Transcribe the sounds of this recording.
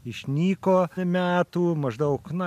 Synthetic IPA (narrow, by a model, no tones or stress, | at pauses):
ɪʃʲnʲiːkoːmʲæːt̪uːmɐʒd̪ɐʊknʊ